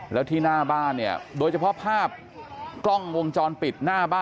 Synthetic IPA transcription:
lɛː˦˥wt̪ʰiː˥˩naː˥˩baː˥˩nːi˥˩ɐdoː˧jt͡ɕʰa˧pʰɔ˦˥pʰaː˥˩p̚ | klɔ˥˩ŋwo˧ŋt͡ɕɔː˧npi˨˩t̪̚naː˥˩baː˥˩

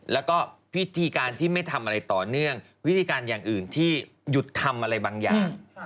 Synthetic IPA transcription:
lɛ˦˥wkɔː˥˩wi˦˥t̪ʰiː˧kaː˧nt̪ʰiː˥˩ma˥˩jt̪ʰa˧mʔa˧ɾa˧jt̪ɔː˨˩nɯ˥˩əŋwi˦˥t̪ʰiː˧kaː˧njaː˨˩ŋʔɯː˨˩nt̪ʰiː˥˩ | ju˨˩t̪ʰːa˧mʔa˧ɾa˧jbaː˧ŋja̰ː˨˩ŋ

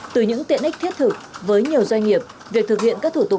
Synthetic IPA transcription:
t̪ɨ˨˩ɲɨ̰˧˥ŋt̪ḭ˧˨ənʔa̟˦˥t̪ʰi˦˥ət̚t̪ʰɨ˨˩k̚vəː˨˦jɲi˨˩əwzwa˧jŋ̟ŋi˨˩əp̚ | vi˨˩ək̚t̪ʰɨ˨˩k̚hḭ˧˨ənkaː˦˥k̚t̪ʰu˧˩t̪ʊ˨˩

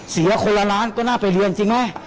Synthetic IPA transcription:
si˨˩˦ɐ˦kʰo˧lːa˧ɾaː˦˥nkɔː˥˩naː˥˩pa˨˩jli˧ənt͡ɕi˧ŋma˦˥˩j

